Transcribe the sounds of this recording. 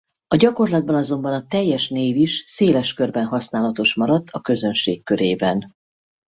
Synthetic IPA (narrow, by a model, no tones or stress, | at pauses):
ɒɟɒko̞rlɒd̪̚bɒnɒzo̞mbɒnɒt̪ɛjːɛʃneːviʃseːlɛʃkørbɛnɦɒsnaːlɒt̪o̞ʃmɒɾɒt̪ːɒkø̞zø̞nʃeːkːø̞ɾeːbɛn